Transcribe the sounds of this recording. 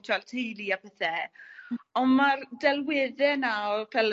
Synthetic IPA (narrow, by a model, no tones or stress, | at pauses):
tʰaltʰejlˠiapʰɛθɛ | ɔnmardɛlˠwɪðɛnaɔpʰɛl